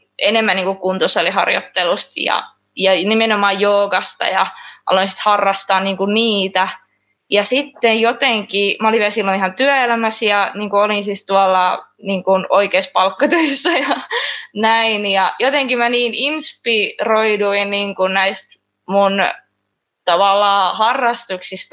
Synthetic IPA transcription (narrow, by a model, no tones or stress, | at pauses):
enemːæniːŋkukkunt̪osːolihɑ̰rjo̰t̪ːelust̪jɑ̰ | jɑnimenomɑːjjoːɡɑst̪ɑ̰jɑ̰ʔɑ̰loinsi̥t̪hɑrːɑst̪ɑːnniːŋkunniːt̪æ | jɑsit̪ːejjot̪eŋkimæoliʋiælsilːonihɑnt̪yæelæmæsjɑniːŋkuolinsist̪uɑlːɑniːŋkunoikeispɑlkːɑt̪øisːɑjɑnæinjɑjot̪eŋkimæniːninspiroiduinniːŋkunnæist̪ | mun | t̪ɑʋɑlːɑːhɑrːɑst̪uksist̪